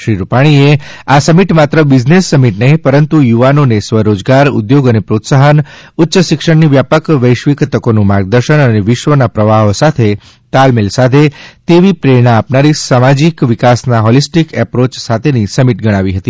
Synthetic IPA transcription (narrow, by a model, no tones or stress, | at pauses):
ʃɾiɾupaɽ̃ie | asəmiʈmat̪ɾəbid͡ʒnesːəmiʈnəɦĩpəɾənt̪ujuʋanonesʋəɾod͡ʒɡaɾṵd̪joɡənepɾot̪saɦənʊtːʃəʃɪkʃəɳniʋjapəkʋəjʃʋikt̪əkonũmaɾɡ̚d̪əɾʃəɳ̃əneʋɪʃʋənapɾəʋaɦosat̪ʰe | t̪almelsat̪ʰet̪eʋipɾeɽ̃aːpnaɾisamad͡ʒikʋikasnaɦɔlisʈikɛpɾot͡ʃsat̪ʰenisəmiʈɡəɽ̃aʋiɦət̪i